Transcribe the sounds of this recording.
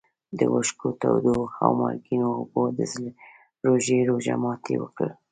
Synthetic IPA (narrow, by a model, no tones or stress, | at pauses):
d̪əwəʃkot̪awd̪oxawmɑɡinoːbod̪əzl | ɾoʒeɾoʒamɑt̪ʰḛwəkəɾ